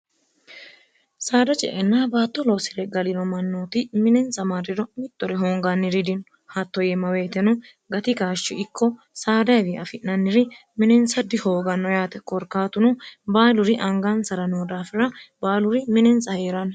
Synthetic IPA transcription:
saːd̪ɐt͡ʃʼɛ̰ʔɛnːaːbaːt̪ːɔloːsɪɾɛɡɐlɪnɔmɐnːoːt̪ɪmɪnɛnsɐmaɾɪɾɔmɪt̪ːɔɾɛɦoːŋɡɐnːɪɾɪd̪ɪnɔ | hat̪ːɔjɛmɐweːt̪ɛnɔ | ɡɐt̪ɪɡaːʃːɪɪkʰːɔ | saːd̪ɐwɪɐfɪnːɐnːɪɾɪ | mɪnɛnsɐd̪ɪhoːɡɐnːɔjaːt̪ɛkɔɾkaːt̪ʊnɔbaːlʊɾɪʔɐŋɡansɐɾɐnoːd̪aːfɪɾɐbaːlʊɾɪmɪnɛnsɐheːɾɐn

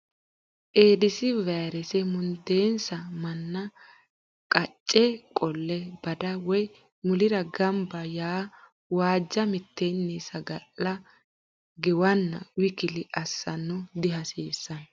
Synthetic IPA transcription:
ʔeːd̪ɪsɪvɛːɾɛsɛmʊnd̪eːnsɐmɐnːɐ | kʼɐt͡ʃʼːɛkʼɔlːɛbɐd̪ɐwɔj | mʊlɪɾɐɡɐmbɐjaː | waːd͡ʒːɐmɪt̪ːenːisɐɡɐlːɐ | ɡɛwɐnːɐ̰wɪkɪlɪʔɐsːɐnːʊd̪ɪɦɐseːsːɐn

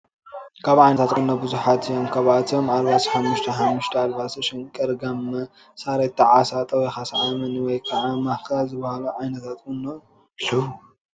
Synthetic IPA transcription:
kʰaβʕajnɐt̪ʰat̪kʼunːobɨzuħat̪ʰɨjomkʰɐβat̪ʰomaɾβat̪ʰiħamːuʃt̪ʰɐhamːuʃt̪ʰɐalbasɐʃɪnkʼɐɾɡamːɐ | saɾet̪ʰːɐʕasat̪ʼɐwɔjxasʕamɨnwɔjkʰɐʕamahkazɨbɐhaluʕajnɐt̪ʰat̪kunːo | lɨ

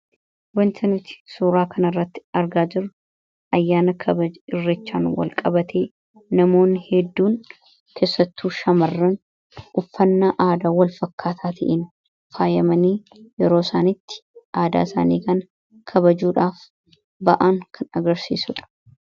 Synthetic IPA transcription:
wɐnt̪ʰɐnɪt̪ɪ̥suːɾaːkʰɐnɐrːɐt̪ːɪ̥ɐɾɡaːd͡ʒɪɾʊ | ʔɐjːaːnɐkʰɐbɐd͡ʒɪrːɛt͡ʃːa̰ːnwɐ̰lkʼɐbɐt̪ʰeː | nɐmo̞ːnːhɛd̪ːuːn | kʰe̞ːsːɐt̪ːuːʃɐmɐrːɐn | ʊfːɐnːaːʔaːd̪aːwɐlfɐkːaːt̪ʰaːt̪ʰɐ̰ʔɪn | faːjɐmɐniː | jɛɾoːsaːnɪt̪ːɪ̥ʔaːd̪a̰ːɪsa̰ːnḭːkɐn | kʰɐbɐd͡ʒuːᶑaːf | bɐʔaŋkʰɐnɐɡɐɾsḭːsʊᶑɐ̥

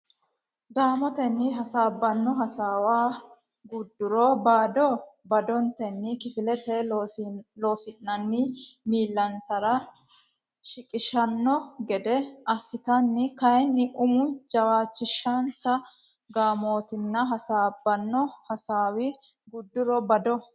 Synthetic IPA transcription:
ɡ̪aːmɔt̪ɛnːɪɦɐsaːbːɐnːɔɦɐsaːwaː | ɡʊd̪ːʊɾɔbaːd̪ɔbɐd̪ɔnt̪ɛnːɪkɪfɪlɛt̪ɛ | loːsɪnːɐnːɪmiːlːɐnsɐɾɐ | ʃɪkʼɪʃɐnːɔɡɛd̪ɛɐsɪt̪ɐnːɪkɐjnːɪʔʊmʊd͡ʒɐwaːt͡ʃːɪʃːɐnsɐ | ɡaːmo̞ːt̪ɪnːɐɦɐsaːbːɐnːɔhɐsaːwɪ | ɡʊd̪ːʊɾɔbɐd̪ɔ

